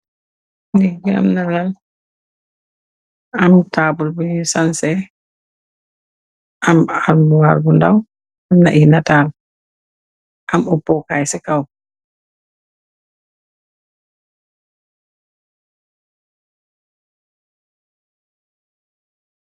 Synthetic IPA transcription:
niɡia̰mnaɡal | amtaːbulbunisansɛ | ʔamalmuwaɾbunda̰w | amna̰ʔinataːl | ʔamupːɔkajsɛkaw

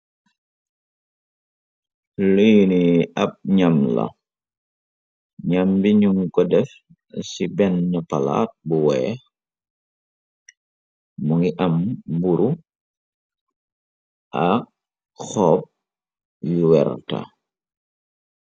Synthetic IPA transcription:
lijniɐp̚ɲamlɐ̰ | ɲambiɲuŋkɔdɛf | sibɛnːɐpala̰ːt̚buwɛ | muŋiʔɐmbuɾu | ʔɐk̚ | xɔːp̚ | juwɛ̰rtɐ̰

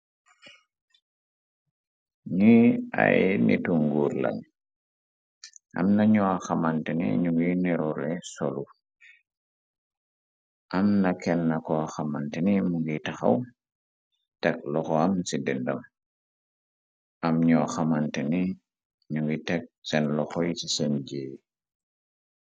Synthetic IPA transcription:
ɲia̰jnḭtuŋɡuːɾlɐ̰n | ʔɐ̰mnɐɲɔaxamantɛnḭɲuŋɡiniɾɔlɛsɔlu | ʔɐmnɐkɛnːɐkɔaxamantɛnimuŋɡitɐxɐ̰w | tɛk̚lɔxɔamsidindɐm | ʔɐmɲɔaxɐmantɛni | ɲuŋɡitɛk̚sɛnlɔxɔjsisɛnɟe

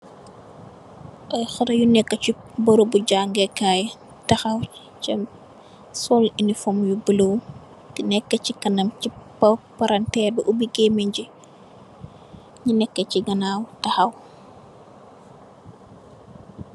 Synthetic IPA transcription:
ʔɔjxɔɾɐjunɛkːɐt͡ʃi | bɔɾubuɟaːŋɡɛkaːj | tɐxɐw | cɐm | sɔlinifɔmjubəlow | tinɛkːɐcikɐnɐmcipɐpɐɾɐntɛbɐʔubiɡemiɲɟi | ɲinɛkːɐciɡɐnawtɐxɐw

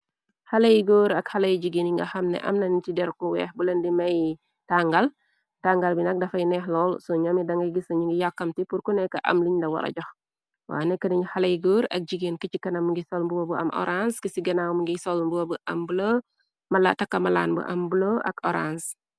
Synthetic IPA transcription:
hɐlɐjɡoːɾɐkhɐlɐjɟiɡiniŋɡɐxɐmnɛ̰ʔɐ̰mnɐnit͡ʃidɛɾkɔwɛhbulɐndimɐj | taŋɡɐl | taŋɡɐlbinɐk̚dɐfɐjnɛxlɔlsɔɲɐmidɐŋɡɐjɡisɐɲuŋɡijakːɐmtipurkunɛkɐʔɐ̰mliɲdɐwɐ̰ɾɐ̰ɟɔx | wa̰ːnɛkɐnɐɲxɐlɐjɡoːɾɐ̰k̚d͡ʒiɡinkəcikɐnɐmuŋɡisɔlmbuwɐbəɐ̰mɔ̰ɾanskəsiɡɐnawmuŋɡisɔlmbuwobəʔɐmbulo | mɐlatɐkːɐmɐla̰ːnbə̰ʔɐ̰mbuloʔɐ̰kɔɾans

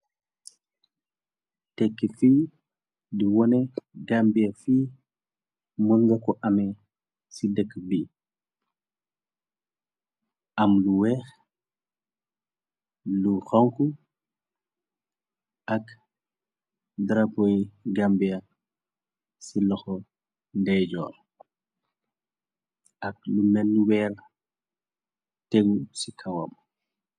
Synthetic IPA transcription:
tɛkːifi | diwɔnɛɡambiafi | munŋɡɐkɔʔɐmɛ | sidəkːbi | ʔɐmluwɛːx | luxɔŋku | ʔɐk | dɾapɔjɡɐmbijɐ | silɔxɔ | ndɛd͡ʒɔ̰ːr | ʔɐk̚lumɛnːuwɛːr | teɡusikʰɐwɐ̰m

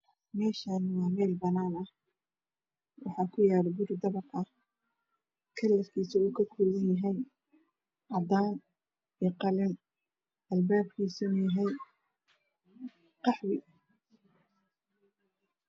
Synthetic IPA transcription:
mɛːʃaːnwɑːmɛːlbɐnaːnɐh | wɑħɑːkʰʊjaːɾbʊrd̪ɐβɑqɐh | kʰɐlːɐfkʰiːsɐuːkʰɐkʰuːɣɐnjɐɦɛj | ʕɑd̪aːn | ɛqɑlɪn | ʔɐlbaːb̚kʰiːsʊnɐjɐɦɛj | qɑħwɪ

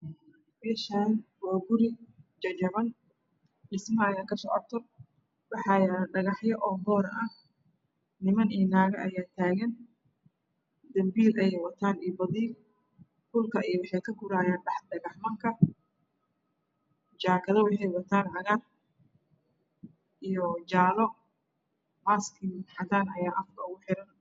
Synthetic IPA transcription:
bɛːʃaːnwaːɡʊɾɪt͡ʃɐt͡ʃɐʕɐn | ɖɪsmɐɐjaːkʰɐsɔ̰ːʕɔrt̪ʰɔ | bɑħɑjaːɖɐɣɑħjɐʔɔːbɔːɾʔɐ | nɪmɐniːnaːɣɐʔɐ̰jaːt̪ʰaːɣɐn | d̪ɐmbiːlɛɛjwɐt̪ʰaːniːbɐðiː | kʊlkʰɐʔɛjwɑħɛjkʰɐkʰʊɾaːjaːnɖɑħɖɐɣɐħmɐŋkʰɐ | t͡ʃaːkʰɐðɐwɑħɑjwɐt̪ʰaːnʕɑɣar | ʔijɔt͡ʃaːlɔ | maːskʰiħɑɣaːnɐjaːʔɐfkʰɐʊɣʊħɪɾɐn

